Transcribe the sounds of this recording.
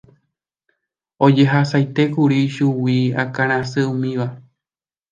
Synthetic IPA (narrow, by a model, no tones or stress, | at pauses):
o̞d͡ʒe̞ɦasajt̪e̞kuɾiʃuwia̰kãɾ̃ãsɨũmĩʋa